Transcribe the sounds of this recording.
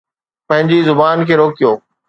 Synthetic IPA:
pɐ̃ɦɪ̃ɲd͡ʑizʊbaːnkʰeːɾoːkijoː

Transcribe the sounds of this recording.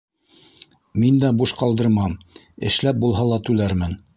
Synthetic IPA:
mind̪æbuʃqɑlˠd̪ɤ̆ɾmɑm | ɘ̰̆ʃlæp̚bulˠɦɑlˠɑt̪ʉlæɾmɘn

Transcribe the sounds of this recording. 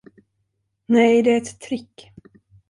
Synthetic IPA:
nɛjd̪ɛæɾɛt̪ʰːɾɪkː

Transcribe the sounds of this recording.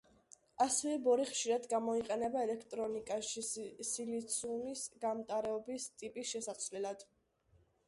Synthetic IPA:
asɛvɛbɔɾiχʃiɾad̪ɡamɔiqʼɛnɛbaɛlɛkʰt̪ʼɾɔnikʼaʃisilit̪sʰumisɡamt̪ʼaɾɛɔbist̪ʼipʼisʃɛsasʰvlɛlad̪̥

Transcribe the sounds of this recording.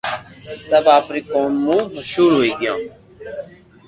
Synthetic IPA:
t̪əbaːpɾiːkoːmːũːməʃuːɾɦoːiːɡɪjãː

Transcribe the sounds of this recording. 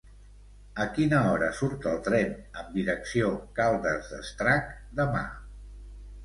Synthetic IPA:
əkinəɔɾə̰suɾt̪əlˠt̪ɾɛnəmd̪iɾəksiokalˠd̪əzðə̰st̪ɾakd̪əma̰

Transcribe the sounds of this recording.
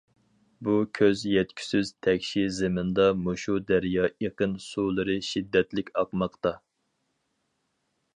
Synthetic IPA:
bukʲʰøzjɛt̪kʲʰy̥syz̥t̪ʰɛkʲʃizemɪnd̪ɑmoʃud̪æɾjɑːeqənsulˠɨɾɨʃid̪ːɛt̪lɪkʲɑqmɑqt̪ɑ

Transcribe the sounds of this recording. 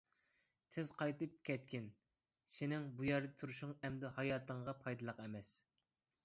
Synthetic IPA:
t̪ʰɪzqʰɑjt̪ɨp̚kʲɛt̪̚kʲɪn | sɪnɪŋbujɛɾd̪ɛt̪ʰuɾuʃʊŋɛmd̪ɪhɑjɑːt̪ʰəɴʁɑpʰɑjd̪ɨlˠəqɛmɛs

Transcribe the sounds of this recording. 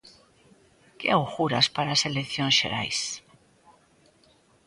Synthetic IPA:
keawxuɾaspaɾaselekθjonsḛɾa̰js

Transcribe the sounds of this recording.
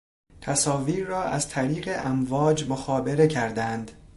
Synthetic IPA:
t̪ʰæsɒːviːɾrɒːʔæzt̪ʰæɾiːɣeʔæmvɒːd͡ʒmoxɒːbe̞ɾe̞cʰæɾd̪ænd̪

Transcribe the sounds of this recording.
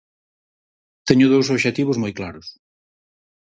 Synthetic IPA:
t̪eɲʊðowsoβʃet̪iβʊzmojklaɾʊs

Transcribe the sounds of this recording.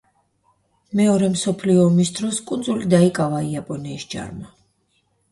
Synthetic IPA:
mɛɔɾɛmsɔpʰliɔːmisd̪ɾɔskʼund̪zulid̪aikʼavaiapʼɔnɛisd͡ʒa̰ɾma

